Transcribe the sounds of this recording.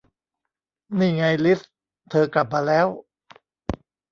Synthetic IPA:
niː˥˩ŋa˧jli˦˥s | t̪ʰɤː˧kla˨˩p̚maː˧lɛː˦˥w

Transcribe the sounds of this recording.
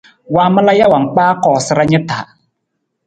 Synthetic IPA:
waː˦mɨ˦la˦ja˦wa˨ŋ̩˨k͡paː˦kɔː˨sɪ˦ɾa˦ɲɪ˦taː˨˦

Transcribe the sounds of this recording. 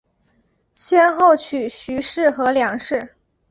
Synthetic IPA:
ɕjɛ˥nxo˥˩ʊt͡ɕʰy˨˩ɕy˧˥ʂɻ̩˥˩xɤ˧˥ljɑ˨˩ŋʂɻ̩˥˩

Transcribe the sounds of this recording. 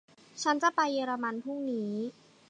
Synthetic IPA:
t͡ɕʰa˦˥nt͡ɕa˨˩pa˧jːeː˧ɾa˧ma˧npʰu˥˩ŋniː˦

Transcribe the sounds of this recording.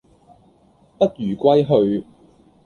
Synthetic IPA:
pɐ˥t̚ɥyː˨˩kʷwɐ˥jɦɵ˧ɥ

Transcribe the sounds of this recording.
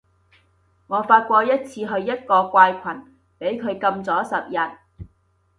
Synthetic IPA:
ŋɔː˨˧faː˧t̚kʷɔː˧jɐ˥t̚t͡sʰiː˧ɦɵ˧ɥjɐ˥t̚kɔː˧kʷaː˧jkʷʰɐ˨˩n | pe˨˥jkʰɵ˨˧ɥkɐ˧mt͡sɔː˨˥sɐ˨p̚jɐ˨t̚

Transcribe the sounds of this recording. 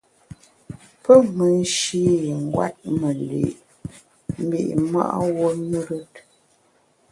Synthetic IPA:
pə˦mə˨n˦ʃi˦˨ŋ̩˦ɡwa̰˦t̚mə˨lḛ˨ʔ | m̩˦bḭ˦˨ʔma̰˦ʔwo˦ɲu˦ɾə˦t̚

